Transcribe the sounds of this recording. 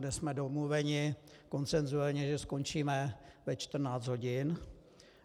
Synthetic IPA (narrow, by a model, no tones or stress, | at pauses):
dɛsmɛdomluvɛɲɪko̞nt͡sɛnzuɛlɲɛʒɛsko̞nt͡ʃiːmɛvɛt͡ʃt̪r̩naːt͡st̪ɦo̞ɟɪn